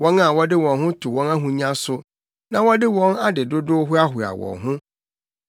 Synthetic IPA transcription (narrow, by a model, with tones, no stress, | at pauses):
wɔ̃˦na˦˨wɔ˦dɪ˦wɔ̃˨nɦʊ̃˦tʰʊ˨wɔ̃˦na˦ɦũ˨ɲã˦sʊ˨ | nã˨wɔ˦dɪ˦wɔ̃˦na˦dɪ˨dʊ˦dʊ˦ɦʊ˦a˦ɦʊ˨a̰˨wɔ̰̃˨nɦʊ̃˦